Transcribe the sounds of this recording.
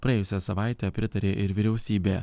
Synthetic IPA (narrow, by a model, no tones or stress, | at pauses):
pɾɐeːjʊsʲɛsɐʋɑˑɪt̪ʲɛːpʲɾʲɪt̪ɐɾʲeːʔɪɾʋʲɪɾʲɛʊsʲiːbʲeː